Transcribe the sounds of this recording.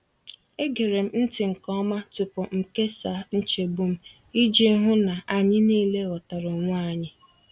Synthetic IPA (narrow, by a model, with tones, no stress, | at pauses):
e˦ɡe˨ɾe˨m̩˦n̩˦tɪ˨ŋ̩˨kɔ˦ma˦tʊ˨pʊ˨m̩˨ke˦sa˨n̩˦t͡ʃe˨bʊ˦m̩˦ | i˦d͡ʒe˦ɦʊ˦na˨ʔa˨ɲɪ˦niː˦˨le˦ɔ˨ta˨ɾʊ˨ŋʷ˦aa˦˨ɲɪ˦